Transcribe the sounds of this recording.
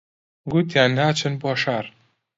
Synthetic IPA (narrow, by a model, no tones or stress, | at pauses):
ɡut̪jaːnhaːt͡ʃʰɨnboʃaːɾ